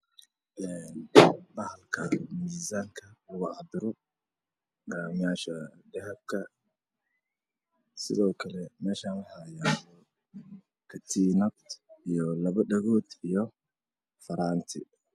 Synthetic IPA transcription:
ʔɛːnbɐhlkʰɐmiːsaːŋkʰɐʊɣʊʕɑd̪ɪɾɔ | ɡɐɾaːmɪjaːʃɐɖɛhɛb̚kʰɐ | sɪ̰ðɔːkʰɐlɛmɛːʃaːnwʊħajaːjɔ | kʰɐt̪ʰiːnɐt̪ijɔlɐβɐɖɐɣɔːd̪ijɔ | fɐɾaːnt̪ʰɪ̰

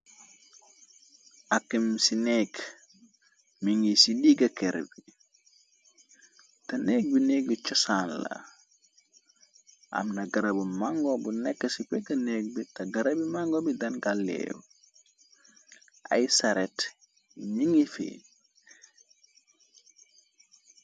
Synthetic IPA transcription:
akimsineːk | miŋisidiɡɐkeɾbi | tɐneːk̚binek̚ɟut͡ʃɔsaːnla̰ | a̰mnaɡaɾabumaŋɡobunekːɐsipɛkɐneːk̚bitɐɡɐɾɐbimaŋɡobidɐnɡalːḛːw | ʔa̰jsaɾet | ɲiŋifḛːn

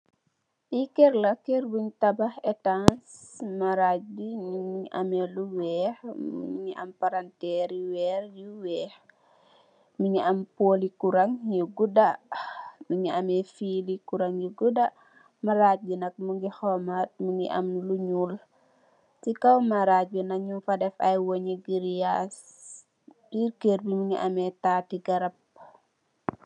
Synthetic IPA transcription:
ʔikɛrlɐkɛrbuɲtɐbɐhɛtans | mɐɾaɟiniʔɐ̰mɛluwɛːhmṵɲiʔɐ̰mpaɾantɛɾjiwɛːrjuwɛːx | muɲiɐmpolikuɾɐŋjuɡuda | miɲiɐmɛfilikuɾaŋjuɡuda | mɐɾad͡ʒunɐk̚muŋɡixɔmat̚muŋɡḭʔɐ̰mnluɲuːl | tikɐwmɐɾaunɐɲumfadɛfɐjwoɲiɡiɾjas | biɾkeɾbimiŋiʔɐmɛtaːtiɡɐɾɐp̚

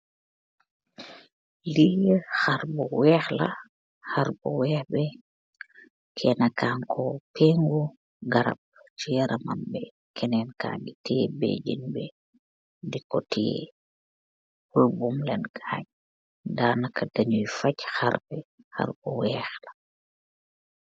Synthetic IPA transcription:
lijxaɾbɔwɛːxla̰ | xaɾbɔwɛːxbɛ | kʰɛnakaːŋkʰɔpɛːŋɡu | ɡɐɾa̰b̚ | t͡ʃijɛɾʔɐmanbɛ | kʰɛnɛnka̰ːŋɡitibḛːɟinbɛ | dikɔtijḛ | pulbumlɛnɡʰaːɲ | daːnɐkːɐdɐɲujfacxaɾbɛ | xa̰rbɔwɛːxlɐ

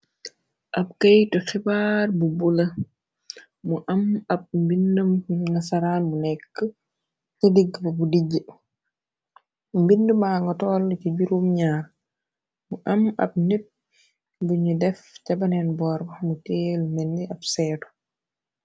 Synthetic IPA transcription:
ʔɐp̚kɐjtɔxibaːrbubulɐ | muʔɐmɐp̚mbindumnɐsɐɾaːnmunɛkːə | tɐdiɡːbɐbudiɟə | mbindəmaːŋɡɔtɔːlːciɟuɾumɲaːɾ | muʔɐmɐ̰b̚nit̚ | buɲudɛfcɐbɐnɛnbɔːɾbɐxmutɛːlmɛnːdiʔɐbsɛːtɔ̥

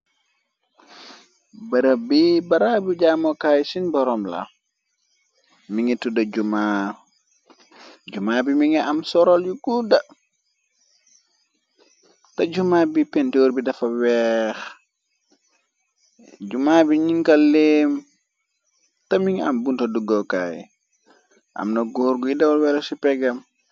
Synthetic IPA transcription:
baɾabibaɾabid͡ʒamɔkajsinbɔɾɔmla̰ | miŋɛtudad͡ʒuma | d͡ʒumabimiŋɛʔamsɔɾɔljuɡuda | tɐɟumaːbipɛntoɾbidɐfɐwɛx | d͡ʒumaːbiɲiŋkalem | tɐmiŋɐ̰mbuntoduɡɔka̰ːj̰ | ʔɐ̰mnɐɡoɾɡuidawɔlwɛɾɔsipɛɡɐm

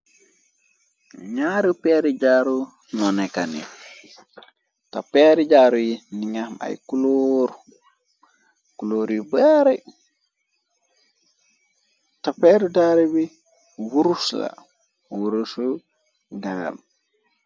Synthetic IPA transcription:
ɲaɾupɛːɾiɟaːɾu | nɔnekanḭ | tapeɾiɟaːɾujiniɲama̰jkuloɾu | kuloːɾjibaɾe | tapɛːɾudaːɾibi | wuɾusla̰ | wuɾusu | ɡaa̰m

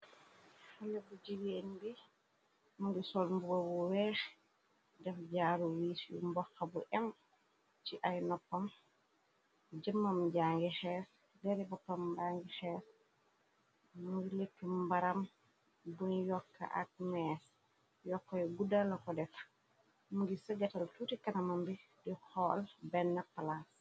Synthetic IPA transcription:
halɛbuɟiwenbi | muŋɡisɔlmbubobuwɛːx | dɛfɟaːɾuwiːsjṵmbɔxːabuʔɛm | t͡ʃiʔajnɔpːɐm | ɟəmːɐmɟaːŋɡixɛːs | dɛɾibɐpːɐmbaːŋɡixɛːs | muɡilekːəmbɐɾɐm | bunjɔkːɐ̰ʔɐ̰k̚mɛːs | jɔkːɔjɡudɐlɐkɔdɛf | muŋɡisəɡɐtɐltutikɐnɐmɐmbi | dixɔlbɛnːɐpːɐlas

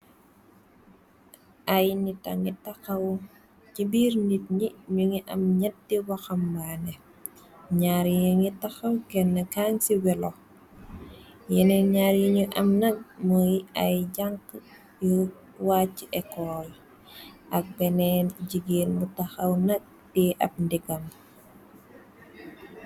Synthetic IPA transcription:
ʔajnitɐ̰ŋitaxɐw | t͡ʃibiːɾnit̚ɲiɲuŋiʔɐ̰mɲɐt̚dːiwɐxɐmbanɛ | ɲaɾjuŋitɐxɐwkɛnːɐkaŋsiwɛlo | jɛnɛɲaɾjiɲuʔɐmnɐk̚mɔjɐjɟaŋk | ju | wacːiʔɛkɔːl | ʔɐk̚bɛnɛɟiɡinmutɐxɐwnɐk̚ | diʔɐp̚ndiɡɐm

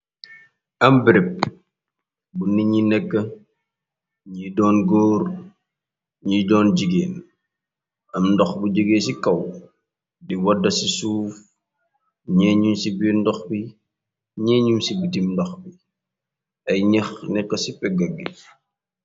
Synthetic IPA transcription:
ɐmbɾɛp̚ | bunːiɲinɛkːə | ɲiːdɔːnɡɔːr | ɲiːdɔːnd͡ʒiɡeːn | ɐmndɔxbud͡ʒiɡeːsikɐw | diwɐdɐsisuːf | ɲɛːɲumsibindɔxbi | ɲɛːɲumsibitimdɔxbi | ʔɐjɲɐxnɛkːəsipɛɡɐɡːi

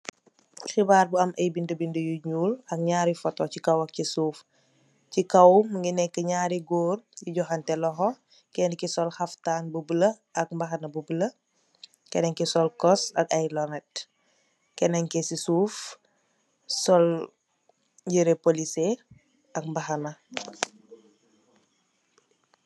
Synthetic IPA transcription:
xibaːɾbuɐmʔɐjbindəbindəjuɲuːlɐk̚ɲaːɾifɔtɔcikɐwɐk̚cisuːf | cikɐwmŋɡinɛkːəɲaːɾiɡoːrjuɟɔxantɛlɔɦɔ | kɛndikɛsɔlxɐftaːnbubələ | ɐk̚mbɐxɐnɐbubələ | kɛnɛŋkɛsɔlkɔsɐ̰kajlɔnɛt̚ | kɛnɛŋkɛsisuːf | sɔl | ɟəɾepolise | ʔɐk̚mbɐxɐnɐ

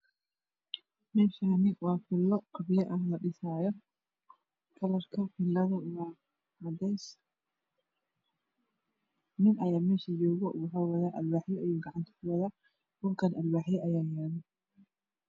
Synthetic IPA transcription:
mɛːʃanɪwɑːfɪlːɔqɑβɪjɐʔɐɦlɐɖɪsaːjɔ | kʰɐlɐrkʰɐfɪlːɐðɐwa | mɐd̪ɛjs | nɪnʔɐjaːmɛːʃɐjɔːɣɔwɑħawɐðaːʔɐlwaːħjɛʔjuːɡɑʕɑnt̪ʰɐ̥kʰʊwɐðaː | kʊlkʰɐnɐlwaːħjɛʔɐjaːjaːɾðɪ

